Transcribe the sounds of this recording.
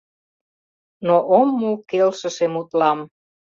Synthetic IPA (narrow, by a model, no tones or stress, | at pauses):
noʔomːukelʃə̆ʃemut̪lɑm